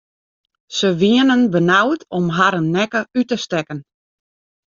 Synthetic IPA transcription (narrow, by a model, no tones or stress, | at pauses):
səʋiənənbənawtʰɔmɦaɾənːɛkəytəstɛkən